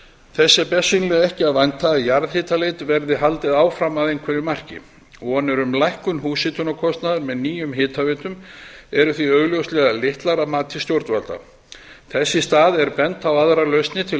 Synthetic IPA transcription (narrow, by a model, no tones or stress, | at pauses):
θɛsːɪpɛsʏnlɛɣɛhcɪaðvajnt̪ʰajaɾðhɪːt̪alejt̪vɛɾðɪɦalt̪ɪðaːwfɾamaðejŋkʰvɛɾɪmar̥cɪ̰ | ɔɣanːɛɾʏmlajhkʏnhuːsɪt̪ʰʏnɔkʰɔst̪naðʏɾmɛðniːjʏmɦɪːt̪ʰavɛːt̪ʏmɛɾʏθviœːɣljowst̪lɛːɣalɪht̪laɾamaːt̪ʰɪ̥st̪jowɾt̪valt̪a̰ | θɛsːɪst̪aːðɛɾpɛnt̪awaðɾalœɥst̪nɪt̪ʰɪ